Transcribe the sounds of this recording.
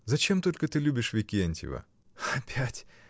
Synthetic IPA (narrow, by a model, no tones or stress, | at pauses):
zɐt͡ɕe̞mt̪o̞lʲkət̪ɨlʲubʲɪʂvʲɪkʲenʲtʲɪ̰və̰ | ɐpʲʰætʲ